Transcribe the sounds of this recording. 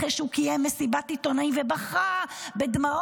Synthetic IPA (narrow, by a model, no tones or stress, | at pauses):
eʃeukijɛmːesibatit̪onajvebaχabed̪mao